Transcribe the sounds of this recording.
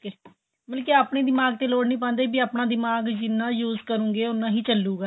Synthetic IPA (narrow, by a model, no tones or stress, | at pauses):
e | məlkiaːpɳeːd̪ɪmaːɡ̚t̪eːloːɽnĩːp̬ãːnd̪eːibiːaːpnãːd̪ɪmaːɡd͡ʒɪnːãːjuːzkəɾũːɡeːʊnːãːɦiːt͡ʃəlːuːɡaː